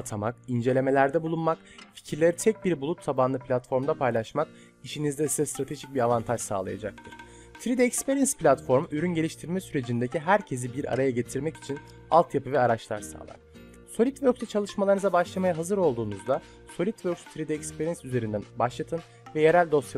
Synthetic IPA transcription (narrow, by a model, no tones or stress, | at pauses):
t̪ʰamakind͡ʒe̞lʲe̞me̞lʲæɾd̪ɛbulˠunmak | fi̥cʰiɾlʲeɾit̪ʰɛc̚biɾbulˠut̪ːʰabanlˠɯpʰlʲat̪fo̞ɾmd̪apʰajlˠaʃmak̚ | iʃinizd̪ɛst̪ɛst̪ɾat̪ʰe̞ʒic̚biɾavant̪ʰaʒsa̰ːlˠa̰ja̰d͡ʒak̚t̪ʰɯɾ̥ | t̪ʰɾid̪ɛɛcspeɾinspʰlʲat̪fo̞ɾmyɾynɟe̞lʲiʃt̪ʰiɾmɛsyɾe̞d͡ʒind̪e̞cʰiɦæɾcʰe̞zibiɾa̰ɾajaɟe̞t̪ʰiɾmɛci̥t͡ʃʰin | a̰lˠt̪ʰjapɯvɛaɾat͡ʃlˠa̰ɾsa̰ːlˠa̰ɾ | so̞lʲit̪vøɾkt̪ʰɛt͡ʃʰalˠɯʃmalˠaɾɯnɯzabaʃlˠamajaɦazɯɾo̞lˠd̪uːnuzd̪a | so̞lʲit̪vøɾkst̪ʰɾid̪ɛɛcspʰeɾinsyze̞ɾind̪ænbaʃlˠat̪ʰɯn | vɛje̞ɾælʲd̪o̞s